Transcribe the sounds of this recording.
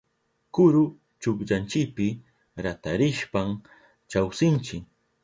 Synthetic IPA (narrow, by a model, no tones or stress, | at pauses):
kʊɾʊ | t͡ʃʊkʎant͡ʃɪpɪ | ɾat̪aɾɪʃpaŋ | t͡ʃawsɪnt͡ʃɪ